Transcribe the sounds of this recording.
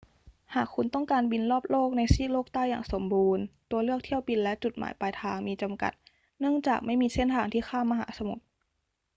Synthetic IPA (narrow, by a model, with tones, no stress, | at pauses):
haː˨˩kʰːu˧nt̪ɔ˥˩ŋkaː˧nbi˧nlɔː˥˩p̚loː˥˩k̚na˧jsiː˥˩loː˥˩k̚t̪aː˥˩jaː˨˩ŋso˩˦mbuː˧nt̪u˧ɐlɯ˥˩ək̚t̪ʰi˥˩əwpi˧nlɛ˦˥ʔt͡ɕu˨˩t̪̚ma̰ː˩˦jpaː˧jt̪ʰaː˧ŋmiː˧t͡ɕa˧mka̰˨˩t̪̚ | nɯ˥˩əŋt͡ɕaː˨˩k̚ma˥˩jmiː˧se˥˩nt̪ʰaː˧ŋt̪ʰiː˥˩xʰaː˥˩mːa˧ɦa̰ː˩˦sa˧mṵ˨˩t̪̚